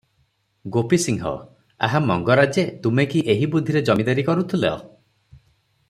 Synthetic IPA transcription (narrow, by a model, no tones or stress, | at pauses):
ɡopisiŋɦɔ̰ | a̰ɦamɔŋɡɔɾad͡ʒet̪umekiʔeɦibud̪ʱiɾed͡ʒɔmid̪aɾikɔɾut̪ʰileɔ̰